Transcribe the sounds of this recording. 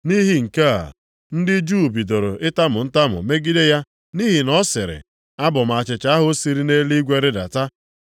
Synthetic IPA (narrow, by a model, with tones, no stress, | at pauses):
ni˦ɦi˨ŋ̩˨ke˦a̰˨ | n̩˦dɪ˦d͡ʒu˦˨bi˨do˨ɾo˨ʔɪ˦ta˦mʊ˨n̩˦ta˦mʊ̰˨me˦ɡi˦de˦ja˦ | ni˦ɦi˨nɔ˦sɪ˨ɾɪ̰˨ | a˦bʊ˨m˨a˨t͡ʃɪ˨t͡ʃa˦ɦʊ˦si˨ɾi˦ne˦li˦ɡʷe˦ɾɪ˦da̰˨ta˦